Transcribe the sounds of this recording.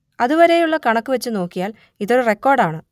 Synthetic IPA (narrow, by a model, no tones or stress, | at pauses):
ɐðuʋɐɾe̞juɭːɐkɐɳɐkːuʋɐt͡ɕːɨno̞ːkːijaːl | iðo̞ɾure̞kːo̞ːrɖaːɳɨ